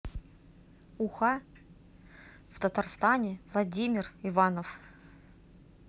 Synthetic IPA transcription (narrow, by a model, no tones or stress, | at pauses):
ʊxa | ft̪ət̪arst̪anʲɪvlˠɐdʲimʲɪrɪvanəf